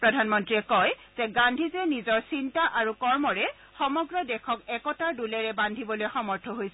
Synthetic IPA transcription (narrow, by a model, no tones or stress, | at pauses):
pɹɔdʱanmɔntɹiɛkɔjz̥ɛɡandʱizɛnizɔɹsintaʔaɹukɔɹmɔɹɛ | xɔmɔɡɹɔdɛkʰɔkɛkɔtaɹdulɛɹɛbandʱibɔlojxɔmɔɹtʰɔɦojsɛ